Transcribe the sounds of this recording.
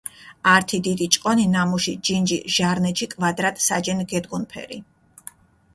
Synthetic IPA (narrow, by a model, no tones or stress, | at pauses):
aɾt̪ʰid̪id̪it͡ʃʼqʼɔninamuʃid͡ʒind͡ʒiʒ̥aɾnɛʃʰikʼvad̪ɾat̪ʼsad͡ʒɛnɡɛd̪ɡunpʰɛ̰ɾi